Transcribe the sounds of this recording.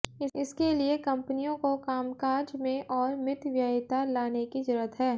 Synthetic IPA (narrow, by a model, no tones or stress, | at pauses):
ɪɪskeliekɐ̃mpənijõkokaːmkaːɾd͡ʒmẽʔɔːɾmɪt̪ʋjaɦɪt̪alaːnekid͡ʒɐɾət̪ɦɛː